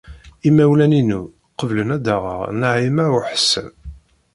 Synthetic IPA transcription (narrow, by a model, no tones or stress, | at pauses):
imæwlæninu | qəvlənæd̪aʁə̰ʁnəʕimæɾʊħə̥sːə̰n